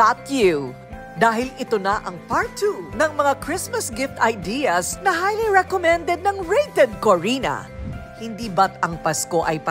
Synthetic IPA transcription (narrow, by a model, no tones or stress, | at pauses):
at̪ju | d̪aːɦɪlɪt̪onɐʔɐŋpaɹt̪ʰunɐŋmɐŋakɾɪsmɐsɡɪft̪ɐjd̪iɐsnɐhajliɹɛkomɛ̃nd̪ɛd̪̚nɐŋɹejt̪ɛd̪̚koɹinɐ̰hɪnd̪iːbɐt̪ɐŋpɐsko̞ʔɐjpɐ